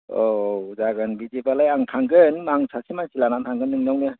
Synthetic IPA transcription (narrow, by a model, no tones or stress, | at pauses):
ozaɡɯnbizibalajaŋtʰaŋɡɯnmaŋsʰasimansilanantʰaŋɡɯnːɯŋnawnɯ